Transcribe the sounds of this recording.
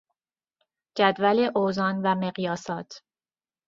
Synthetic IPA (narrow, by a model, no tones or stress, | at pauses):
d͡ʒæd̪væleʔozɒːnvæmeɣjɒːsɒːt̪ʰ